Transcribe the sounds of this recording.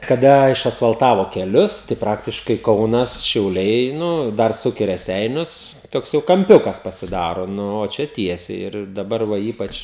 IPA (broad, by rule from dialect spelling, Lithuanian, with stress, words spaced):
kɐˈdɐ ɪʃɐsfɐlˠˈtɑːʋoː kʲɛˈlʲʊs tɐɪ ˈprɑːktʲɪʃkɐɪ ˈkɐʊnɐs ʃʲɛʊˈlʲɛɪ ˈnʊ ˈdɐr ˈsʊk ɪ rʲɛˈsʲɛɪnʲʊs ˈtoːks jɛʊ kɐmʲˈpʲʊkɐs pɐsʲɪˈdɑːroː ˈnʊ oː ˈt͡ʃʲɛ ˈtʲiɛsʲɛɪ ɪr dɐˈbɐr ˈʋɐ ˈiːpɐt͡ʃ